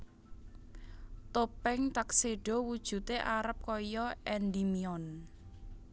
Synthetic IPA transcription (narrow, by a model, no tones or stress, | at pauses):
t̪opɛŋt̪akseɖ̥ɔ̤wud̥ʒ̥ṳt̪eʔaɾəp̚kɔjɔʔɛnd̪imiɔn